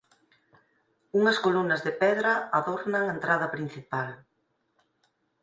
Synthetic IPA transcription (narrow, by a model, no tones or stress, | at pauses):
uŋɐskolunɐzðepɛðɾaaðoɾnaŋaent̪ɾað̞ɐpɾin̟θipal